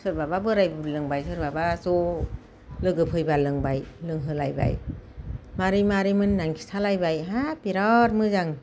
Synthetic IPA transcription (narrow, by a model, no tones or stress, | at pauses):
sɯɾ̚bababɯɾajblɯŋbajsʰɯɾ̚babaso | lɯɡɯpʰɯjbalɯŋbajlɯŋɦɯlajba̰j | maɾimaɾimɯnːaŋkʰi̥sʰalajbajɦapiɾɔt̚mɯzaŋ